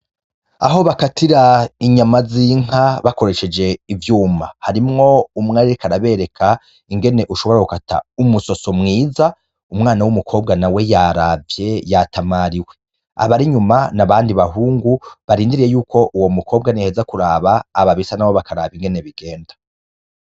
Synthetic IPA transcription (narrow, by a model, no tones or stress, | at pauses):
a̰ɦo̞βakatʰiɾaiɲamaziŋ̥aβako̞ɾe̞ʃe̞d͡ʒe̞ivjuːmahaɾimŋo̞umŋaɾiɾikaɾaβe̞ɾe̞kʰa | iŋɡe̞ne̞ʔuʃo̞βo̞ɾakukata̰umuso̞so̞mŋiːza | umŋaːnawumukʰo̞ːb̚ɡanawe̞jaɾavje̞jatʰamaɾiwe̞ | a̰βaɾiɲumanaβaːndiβaɦuːŋɡuβaɾiːndiɾijejuːkʰo̞ʔuwo̞mukʰo̞ːb̚ɡanihezakuɾaːβaːβaβisanawoβakaɾa̰ːβiŋɡe̞neβiɡe̞ːndḁ